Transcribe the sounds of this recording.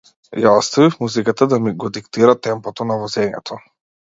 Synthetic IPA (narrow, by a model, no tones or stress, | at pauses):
jaɔst̪avifmuzikat̪ad̪amiɡɔd̪ikt̪iɾat̪ɛmpɔt̪ɔnavɔzɛmɛ̰t̪ʰɔ